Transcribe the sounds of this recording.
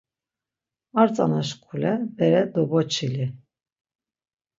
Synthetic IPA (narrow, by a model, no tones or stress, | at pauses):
aɾt͡sʼa̰naʃkʰʼulɛbɛɾɛd̪ɔbɔt͡ʃʰili